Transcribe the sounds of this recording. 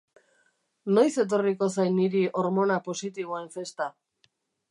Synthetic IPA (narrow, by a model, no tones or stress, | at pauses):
no̞jse̞t̪̬o̞riko̞sajniɾiʔo̞ɾmo̞napo̞sit̪iβ̞oe̞ɱfe̞st̪a